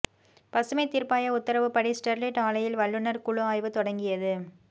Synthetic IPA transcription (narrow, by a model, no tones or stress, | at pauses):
pɐsɯmɐɪt̪ɪɾpaːjɐʊt̪ːɐɾɐʋɯpːɐɽisʈɛɾlɪʈaːɭɐjɪlʋɐɭːɯnɐɾkʊɭʊaːjʋɯt̪ɔɽɐŋɡɪjɐðɯ